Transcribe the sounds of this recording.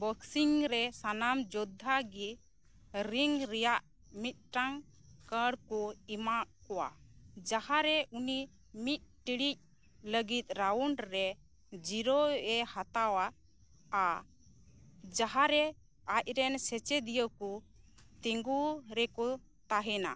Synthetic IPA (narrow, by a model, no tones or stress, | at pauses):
bɔksiŋɾɛsanamd͡ʒɔd̪ʱːaɡi | ɾiŋɾɛjaʔ | mit̪̚ˀʈaŋ | kəɽkɔimaʔkɔwa̰d͡ʒahaɾɛʔuni | mit̪̚ʈiɽic̚ | ləɡit̪̚ɾauɳɖɾɛ | d͡ʒiɾɔɛhat̪awa | a | d͡ʒaɦaɾɛ | ac̚ɾɛnsɛt͡ʃɛd̪ijəkɔ | t̪iŋɡuɾɛkɔ | t̪aɦɛna̰